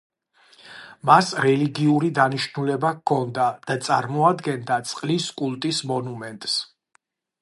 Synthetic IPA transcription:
masɾɛliɡiuɾid̪aniʃnulɛbakʰːɔnd̪ad̪̥at̪sʼaɾmɔad̪ɡɛnd̪at̪sʼqʼliskʼulˠt̪ʼismɔnumɛnt̪ʼs

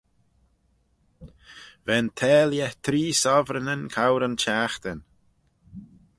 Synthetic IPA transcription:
vɛnt̪ʰɛːljɛt̪ʰɾiːsɔvɾənənkʰawɾənt͡ʃaːxt̪ən

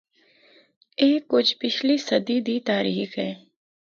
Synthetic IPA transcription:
eːkːʊt͡ʃʰpɪt͡ʃʰlisɐd̪id̪it̪aːɾiːxɦɛː

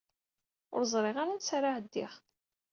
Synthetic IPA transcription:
ʊ̰ɾzˤɾˤɪʁaɾant͡sːɾaʕəd̪ːɪʁ

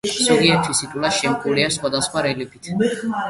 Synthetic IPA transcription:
sɔɡiɛɾt̪ʰisit̪ʼulaʃɛmkʼuliasχwad̪asχwaɾɛlipʰit̪ʰ

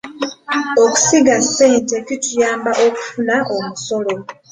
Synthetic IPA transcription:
oku̥siɡaseːnte̞kitujaːmbaʔoku̥funaʔomuso̞lo̞

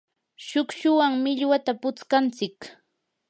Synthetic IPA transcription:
ʃʊkʃʊwaŋmɪʎwat̪apʊt͡skant͡sɪk

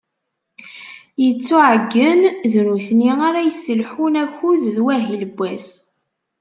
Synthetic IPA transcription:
jət͡sːuʕəɡːənðnuθniaɾæjsːəlħunæçuððwæɦilbʷːæs

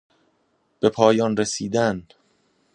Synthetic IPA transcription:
b̥e̞pʰɒːjɒːnɾesiːd̪æn

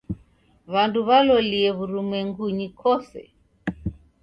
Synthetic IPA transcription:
βanduβalɔliɛβuɾumɛŋɡuɲikʰɔsɛ̰

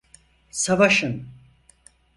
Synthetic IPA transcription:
savaʃɯn

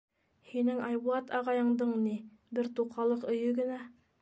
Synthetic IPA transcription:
hinɘŋɑjbuɑt̪ɑʁɑjɤ̆ɴd̪ɤɴni | bɘɾt̪uqɑlˠɤqɵ̆jɵɡɘ̆næ

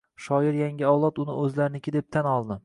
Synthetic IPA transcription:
ʃɒjɪɾjaŋʲɪɒwlˠɒt̪ʊnɪ̰ɵzlaɾɪnɪkʲɪd̪e̞p̚t̪ʰanɒlˠd̪ɪ

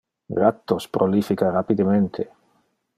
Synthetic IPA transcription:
ɡɾat̪ːospɾolifikaɾapid̪ement̪ʰe

